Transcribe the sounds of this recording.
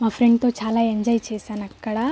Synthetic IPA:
mɐfɾeŋɡ̚t̪ot͡ʃʰaːlajɐɲd͡ʒajt͡ʃʰesɐnɐkːɐɽa

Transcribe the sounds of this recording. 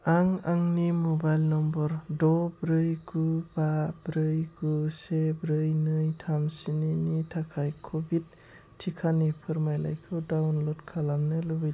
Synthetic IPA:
aŋaŋnimɔbajlnɔmbɔɾdɔbɾɯjɡubabɾɯjɡusebɾɯjnɯjtʰamsininitʰakʰajkʰɔbid̚ | tʰːikʰanipʰɯɾmajla̰jkʰɯdawnlɔdkʰalamnɯlɯbi

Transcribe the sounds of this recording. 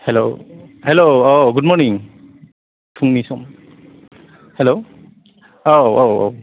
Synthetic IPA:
hɛlohɛlooɡʊd̚mɔɹniŋ | tʰuŋnisum | hɛlo | oowo̰

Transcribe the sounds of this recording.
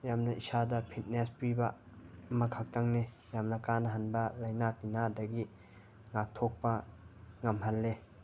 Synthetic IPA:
jamnɐisadɐpʰit̚nespibɐmɐkʰak̚taŋni | jamnɐkanɐɦanbɐlajnatinadɐɡi | ŋak̚tʰok̚pɐŋɐmɦalːe

